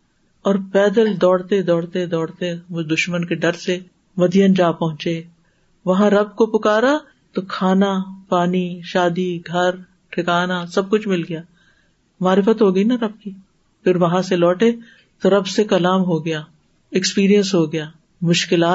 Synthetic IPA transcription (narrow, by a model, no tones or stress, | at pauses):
ɔːɾpɛːd̪əld̪ɔːɽt̪ed̪ɔːɽt̪ed̪ɔːɽt̪emʊd̪ʊʃmənkeɖɐɾse | mɐd̪ijənd͡ʒaːpɐɦʊ̃t͡ʃe | ʋɐɦãɾɐb̚kopʊkaːɾa | t̪okʰaːnapaːniʃaːd̪iɡʱɐɾ | ʈʰɪkaːnasɐb̚kʊt͡ʃʰmɪlɡɐjaː | maːɾɪfət̪ɦoːɡɐinaɾɐb̚ki | pʰɪɾʋɐɦãselɔːʈe | t̪oɾɐbsekɐlaːmɦoɡɐjaː | ɛkspiːɾijə̃nsɦoːɡɐjaː | mʊʃkɪlaː